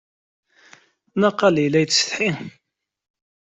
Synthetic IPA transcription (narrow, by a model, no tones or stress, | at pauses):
nɑqːɑlijlæjsə̥θħi